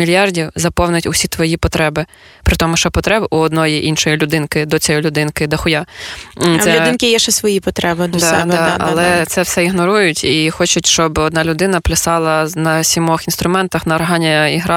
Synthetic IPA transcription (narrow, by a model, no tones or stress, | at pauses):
mʲilʲjɑrdʲiwzɐpɔwnɪtʲʊsʲit̪ʋɔjipɔt̪ɾɛbɪ | pɾɪt̪ɔmʊʃt͡ʃɔpɔt̪ɾɛbʔuɔd̪nɔjiʔinʃɔjilʲʊd̪ɪnkɪd̪ɔt͡sʲɔjilʲʊd̪ɪnkɪd̪ɐxʊja | lɛʊɪnkʲɪjɛʃt͡ʃɛsʋɔjipɔt̪ɾɛbɪd̪d̪d̪ɑdɐ̰llˠɛt̪sɛwsɛiɦnɔɾujʊtʲixɔt͡ʃʊtʲʃt͡ʃɔbɔd̪̚nɑlʲʊd̪ɪnɐplʲɪsɑlˠɐnɐsʲimɔxinst̪ɾʊmɛnt̪ɐxnɐːrɦɑnʲɐiɦɾɑ